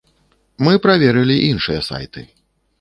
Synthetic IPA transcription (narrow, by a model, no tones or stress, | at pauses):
mɨpɾavʲɛɾɨlʲiʔinʂɨjɐsa̰jt̪ɨ